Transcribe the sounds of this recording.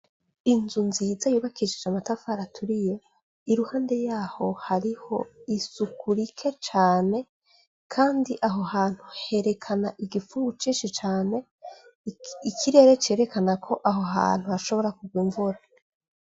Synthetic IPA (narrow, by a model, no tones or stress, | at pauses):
inzunziːzajuːβakiʃid͡ʒamatafaɾatʰuɾije̞ | iɾuhaːnde̞jaːho̞haɾiho̞isukuɾikʰe̞t͡ʃaːne̞ | kʰaːndiʔaɦo̞haːn̥huhe̞ɾe̞kʰanaʔiɡifuɡut͡ʃiːnʃit͡ʃaːne̞ | ikʰiɾe̞ːɾe̞t͡ʃe̞ːɾe̞kanakʰo̞ʔaɦo̞ɦa̰ːn̥huhaʃo̞βo̞ɾakuɡɡwiːɱvuɾa